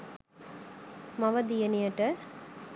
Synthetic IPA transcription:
mɐʋɐd̪ijɐnijɐʈɐ

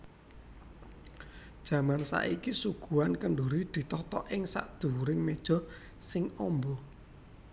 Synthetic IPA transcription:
d̥ʒ̥ä̤mansa̰ʔikisuɡ̥uankəɳɖoɾid̪̥i̤t̪ɔt̪ɔʔɪŋsa̰ʔd̪̥ṳɾɪŋmed̥ʒ̥ɔ̤ | sɪŋɔmbɔ

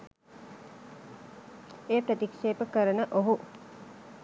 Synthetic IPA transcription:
eːpɾət̪ikʃeːpəkəɾənəʔoɦu

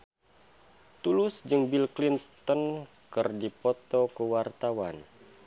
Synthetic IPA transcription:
t̪ulʊsd͡ʒɨŋbilklint̪ɔn | kɨrdipɔt̪ɔkəwart̪awan

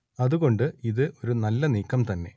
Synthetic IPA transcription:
ɐðuɣo̞ɳɖɨiðɨo̞ɾunɐlːɐniːkːɐmt̪ɐnːe̞̰

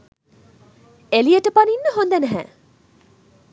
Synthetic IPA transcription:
elijəʈəpaninːəɦond̪ænæɦæ̰ː

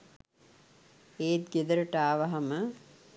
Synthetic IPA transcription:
eːt̪̚ɡed̪əɾəʈaːʋaɦamə

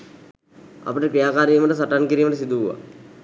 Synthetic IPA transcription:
a̰pəʈəkɾijaːkaːɾiːməʈəs̬aʈankiɾiːməʈəs̬id̪uʋa̰

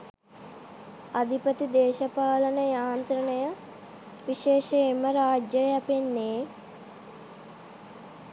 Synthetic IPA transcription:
ɐd̪ʱipət̪id̪eːʃɐpaːlɐnəjaːnt̪ɾɐnəjɐ | ʋiʃeːʃɐemɐɾaːd͡ʒjɐjɛpenːeː

